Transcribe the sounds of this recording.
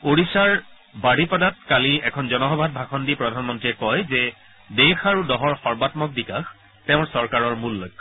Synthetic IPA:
oɹisaɹ | baɽipɔdat̚kaliɛkʰɔnzɔnɔɦɔbʱad̚bʱaxɔndipɹɔdʱanmɔntɹiɛkɔjzɛ | dexaɹudɔɦɔɹxɔɹbatmɔk̚bikax | tɛʊ̃ɹsɔɹkaɹɔɹmulːok

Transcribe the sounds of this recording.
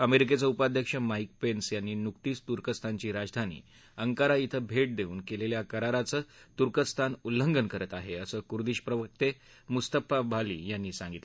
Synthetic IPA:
əmeɾik̬et͡səupad̪ʱjəkʂəmaik̚pensjanːiːnuk̚t̪iːst̪uɾkəst̪ʰaɲt͡ɕiːɾad͡zd̪ʱanḭː | əŋkaɾait̪ʰəbʱeʈ̚d̪euːnkeleljakəɾaɾat͡səːt̪uɾkəst̪ʰanulːəŋɡənkəɾət̪aɦeəsəːkuɾd̪iːɕpɾəʋək̚t̪e | must̪əpabʱalḭːjanːiːsãŋɡit̪le

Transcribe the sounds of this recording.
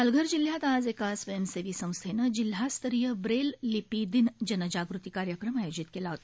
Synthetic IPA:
alɡʱəɾd͡ʑiljat̪ad͡zekasʋəjəmseʋiːsə̃w̃st̪ʰenəd͡ʑil̤jast̪ʰəɾijəbɾelːipid̪ind͡ʒənəd͡ʑaɡɾut̪ikaɾjəkɾəmajod͡ʑit̪kelaɦot̪ː

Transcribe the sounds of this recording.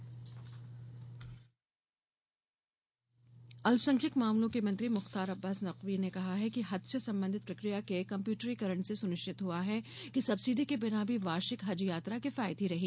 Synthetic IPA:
ɐlfsɐ̃ŋkʰɪkmaːmlõkemɐ̃nt̪ɾimʊxt̪aːɾɐbːaːsnɐqʋinekɐɦaɦɛkiɦɐd̪səsɐ̃mbə̃nd̪ʱɪt̪̚pɾɐkɾijakekɐ̃mpjuːʈɾikɐɾə̃ɳʈsesʊnɪʃʈɪt̪ɦuaɦɛkisɐbsiɖikebɪnaːbʱiʋaːʃɪkɦɐd͡ʒjaːt̪ɾakɪfaːɪd̪ɦiɾɐɦiː

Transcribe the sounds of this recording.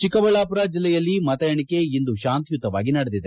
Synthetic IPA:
t͡ʃikɐʋɐɭaːpuɾad͡ʒilːɛjɐlːimɐt̪ɐjɐɳike̞ind̪uʃaːnt̪ijut̪ːɐʋa̰ːɡinɐɽed̪id̪e

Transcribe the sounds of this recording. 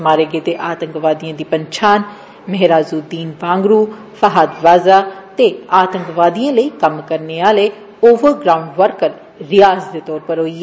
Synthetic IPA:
maːɾeːɡeːt̪eːʔaːt̪əŋkʋaːd̪ijãːd̪iːpəɲt͡ʃʰaːn | məɦɾaːzuːd̪iːnʋãːŋɡɾuː | fʰəɦaːd̪ʋaːzaːt̪eːaːt̪əŋkʋaːd̪ijãːləiːkəmkəɾneːaːleː | oːʋəɾɡɾaːũɳɖʋəɾkəɾː | ɪjaːzd̪eːt̪ɔːɾpəɾɦoːiː

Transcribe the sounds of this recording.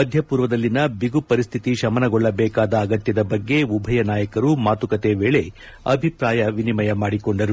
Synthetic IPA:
mɐd̪ʱjɐpuːɾʋɐd̪ɐlːinɐbiɡupɐɾist̪ʰit̪iʃɐmɐnɐɡɔɭːɐbɛːkaːd̪ɐːɡɐt̪jɐd̪ɐbɐɡːe̞ubʱɐjɐnaːjɐkɐɾumaːt̪ukɐt̪eʋeːɭe̞ | ɐ̰bʱipɾaːjɐʋinimɐjɐmaːɽikoɳɖɐɾu

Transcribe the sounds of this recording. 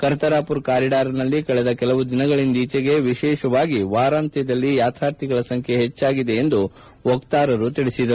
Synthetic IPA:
kɐɾt̪ɐɾaːpuɾkaːɾiɖaːɾɐnɐlːikɐɭɛd̪ɐkɛlɐʋud̪inɐɡɐɭind̪iːt͡ʃɛɡe̞ʋiʃɛːʃɐʋaːɡiʋaːɾaːnt̪ɛd̪ɐlːijaːt̪ʰaːɾt̪ʰiɡɐɭɐsɐŋkʰeɦet͡ʃːaːɡid̪e̞ːnd̪u | okt̪aːɾɐɾut̪iɭisid̪ɐɾuu

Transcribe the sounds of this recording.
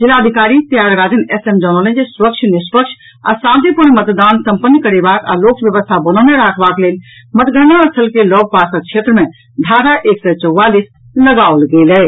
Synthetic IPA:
d͡ʒɪlaəd̪ʱikaːɾit̪jaɡɾaːd͡ʒ̪ənɛsemd͡ʒɔnolẽd͡ʒesuɾəkt͡ʃʰnispəkʃʰ | a̰sãnt̪ipuɾnmət̪d̪aːnsə̃mpənːkəɾebaka̰lokbjəʋəst̪ʰabənɔneɾaːkʰbakleːl | mət̪ɡənaəsʰəlkelɔːɡ̚pasək̚t͡ʃʰet̪ɾəmẽ | d̪ʱaːɾaʔeksət͡ʃəwʋalis | ləɡaolɡelɛ

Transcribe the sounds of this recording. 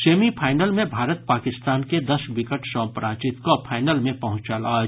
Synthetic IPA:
seːmipʰaːɪnəlmẽbʱaːɾət̪̚paːkɪst̪aːnked̪əsbɪkəʈsɔ̃ːpɾʔaːt͡ʃɪt̪kopʰaːɪnəlmẽpɐɦʊ̃t͡ʃaːlaː

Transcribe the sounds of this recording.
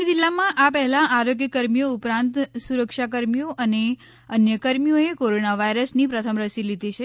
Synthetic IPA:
d͡ʒɪlːamãʔapɛɦɛlãʔaɾoɡjəkəɾmijoʊpɾãnt̪suɾəkʃakəɾmijoʔəne | ənjəkəɾmijoekoɾonaʋaiɾəsnipɾət̪ʰəmɾəsilid̪it͡ʃʰe

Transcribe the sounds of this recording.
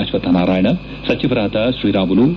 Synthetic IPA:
ɐʃʋɐt̪ɐnaːɾaːjɐɳɐ | sɐt͡ʃiʋɐɾaːt̪ɐʃɾiːɾaːmulu

